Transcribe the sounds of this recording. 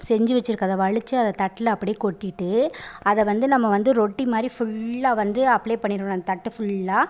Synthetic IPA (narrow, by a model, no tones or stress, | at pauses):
sɛɲd͡ʒɯʋɛt͡ʃːɪɾɯkːɐðɐʋɐɭɪt͡ʃːɯɐðɐt̪ɐʈːɪlɐpːɐɽɪjeːkɔʈːɪʈːɯɐðɛʋɐnd̪ɯnɐmːɐʋɐnd̪ɯɾoʈːimaːd̪ɾifʊɭːaːʋɐnd̪ɯɐpːɭeːpɐɳːɪɾkːɐnd̪ɐt̪ɐʈːɯfʊɭːaː